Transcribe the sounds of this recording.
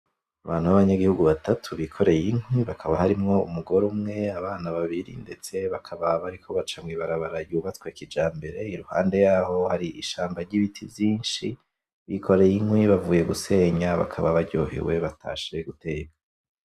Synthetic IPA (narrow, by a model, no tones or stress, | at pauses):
aβaːn̥huβaβaɲaɡihuɡuβatatʰuβikʰo̞ɾe̞jinhwiβakʰaβahaɾimŋo̞ṵmuɡo̞ɾumŋe̞aβaːnaβaβiɾḭnde̞t͡se̞βakʰaβaβaɾikʰo̞βat͡ʃamŋiβaɾaβaɾajuːβat͡swekid͡ʒaːmbe̞ɾe̞iɾuha̰ːnde̞jaːho̞haɾiiʃaːmbaɾɟiβitʰivjiːnʃi | βikʰo̞ɾe̞jinhwiβavuːje̞ɡuse̞ːɲaβa̰kʰaβaβaɾɟo̰ːhḛwe̞βatʰa̰ʃiɾeɡute̞ːɡa